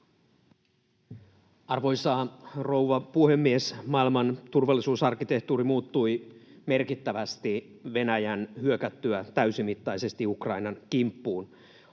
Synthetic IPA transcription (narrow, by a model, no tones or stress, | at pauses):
ɑrʋo̞jsɑːro̞wʋɑpuhe̞mːiesmɑilmɑnt̪urʋɑlːisuːsɑrkːˑit̪e̞ht̪uːɾimuːt̪ːujme̞rkit̪ːæʋæst̪i | ʋe̞næjænhyøkæt̪ːyæt̪æysimit̪ːɑjse̞st̪iukrɑinɑnk̟impːuːn